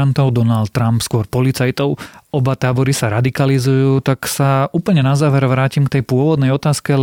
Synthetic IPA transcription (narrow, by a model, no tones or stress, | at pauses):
ant̪ɔʊd̪ɔnalt̪̚ːɾampskʊɔɾpɔlit͡sajt̪ɔʊɔbat̪aːbɔɾisaɾad̪ikalizujuːt̪aksauːpl̩ɲɛnazaːʋɛɾʋɾaːcimkt̪ɛjpʊɔʋɔd̪nɛjɔt̪aːskɛ